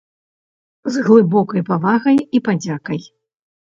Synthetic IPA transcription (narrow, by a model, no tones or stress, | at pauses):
zɣlˠɨbɔkɐjpavaɣɐjipad͡zʲakɐj